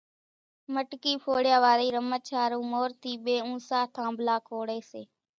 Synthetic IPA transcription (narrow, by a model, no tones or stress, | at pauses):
məʈkiːpʰoːɽjaːʋaːɾiːɾəmət͡ʃʰaːɾũːmoːɾt̪iːɓeːũːsaːt̪ʰãːmbʱlaːkʰoːɽeːseː